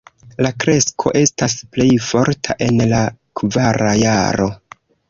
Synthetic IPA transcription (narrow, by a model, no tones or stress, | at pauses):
lakɾe̞skʰo̞̰ʔe̞stasple̞jfo̞ɾtʰa̰ʔe̞nlakvaɾajaɾo̞̰